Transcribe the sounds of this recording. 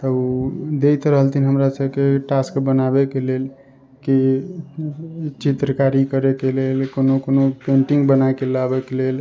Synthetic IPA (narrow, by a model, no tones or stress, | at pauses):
t̪əud̪ejt̪ɾəɦəlt̪ʰinɦəmɾasəbkeʈaskbənabekelel | ki | t͡ʃit̪ɾəkaɾikəɾekelelkonokonopeɳʈiŋɡbənakelabekelel